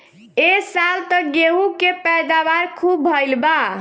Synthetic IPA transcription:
esalt̪əɡeɦukepɛd̪abaɾkʰubʱːəjlba

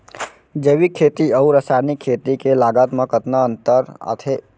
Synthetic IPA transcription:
d͡ʒəʋikʰeːt̪iəuɾəsaːnikʰːeːt̪ikelaːɡaːt̪məkət̪naə̃nt̪əɾə̰t̪ʰe

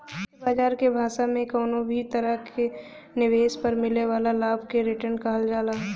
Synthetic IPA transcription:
baːd͡ʒaːɾkebʱaːʃamẽkoːnobʱit̪ɐɾəkʰe | nɪʋeːspɐɾmɪleʋaːlalaːbʱkeɾɪʈənkaɦəld͡ʒaːlaːɦ

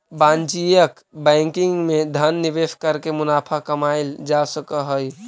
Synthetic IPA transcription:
bãnt͡ʃijək | bɛ̃ɪŋkiŋɡmed̪ʱənːiʋeskəɾkemʊnaːpʰakəmaɪld͡ʒasəkəɦəj

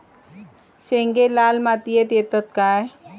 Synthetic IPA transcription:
ʃeŋɡelaːlmat̪ijet̪et̪ət̪̚kaːe

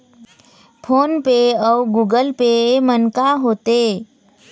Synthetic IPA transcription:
pʰonpeəwɡuɡəlpemənkaɦoːt̪e

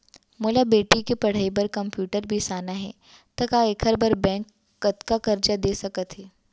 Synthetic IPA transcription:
moːlabeːʈikepɐɽ̤aːibɐɾkɐmpjuːʈəɾbʱisaːnaɦɛ̰ː | t̪ɐkaekʰəɾbɐɾbɛ̃ːŋkː | ɐt̪kakɐɾd͡ʒad̪eːsɐkət̪ɦɛː

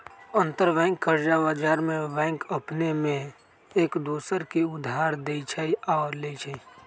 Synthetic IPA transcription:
ə̃nt̪əɾbɛ̃ːŋkːəɾd͡ʒabaːd͡ʒaːɾmẽbɛ̃ːŋkəpnemẽ | eːkd̪uːsəɾkiʊd̪ʱɦaːɾd̪eit͡ʃʰɛiaːɾleit͡ʃʰɛ

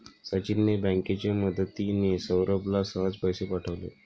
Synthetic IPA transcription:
sat͡ɕinːəbə̃ŋket͡ɕaməd̪ʱət̪inesəwɾəblasəʋad͡zpəjsepaʈʰəʋlḛ

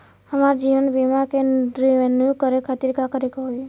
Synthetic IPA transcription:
əmaɾd͡ʒiʋənbimakeɾiʋenjukəɾekʰat̪iɾkakəɾikəɦo

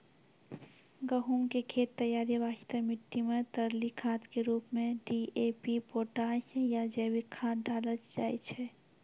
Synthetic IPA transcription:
ɡəɦuŋkekʰeːt̪ːəjaːɾiʋaːʃt̪əmɪʈ̪ːimẽt̪əɾlikʰaːt̪keɾuːpmẽɖiepipoːʈaːsjad͡ʒəːbikʰãːt̪̚ɖʱaːləd͡ʒaːjt͡ʃʰɛ

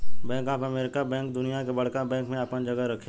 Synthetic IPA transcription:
bɛ̃ːŋkaːpəmeːɾɪkabɛ̃ːŋkd̪ʊnijakebɐɽ̤kabɛ̃ːŋkmẽəpənd͡ʒəɡəɾɐkʰːẽ

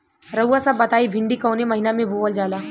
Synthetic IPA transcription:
ɾɐuasɐbːɐt̪aːibʱɪ̃ɳɖikɔːnemɐɦinamẽbʱoːʋəld͡ʒaːlaː

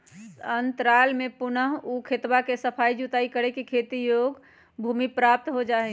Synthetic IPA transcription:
ənt̪ɾaːlmepʊnəɦukʰet̪bakesəpʰaid͡ʒut̪aikəɾekikʰet̪ijoɡ | bʱuːmipɾap̚t̪ɦod͡ʒaɦɛ

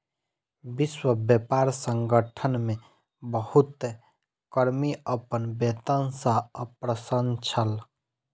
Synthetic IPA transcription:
bɪswəbjəpaːɾsəŋɡəʈʰənmẽ | bəhut̪e | kəɾmiəpənbet̪ənsaəpɾəsənt͡ʃʰəl

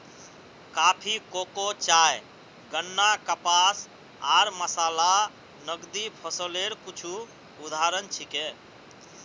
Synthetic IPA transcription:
kapʰikokot͡ʃaj | ɡənːakəpas | aɾməsala | nəɡd̪ipʰəsəleɾkut͡ʃʰu | ud̪ʱaɾənt͡ʃʰike

